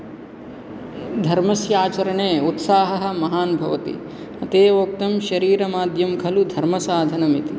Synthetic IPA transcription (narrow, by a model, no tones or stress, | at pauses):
d̪ʱɐɾmɐsjaːt͡ʃɐɾɐɳeːut̪saːɦɐɦɐ̆mɐɦaːnbʱɐʋɐt̪ḭ | ɐt̪eːoːk̚t̪ɐmʃɐɾiːɾɐmaːd̪ʱjɐmkʰɐlud̪ʱɐɾmɐsaːd̪ʱɐnɐmit̪i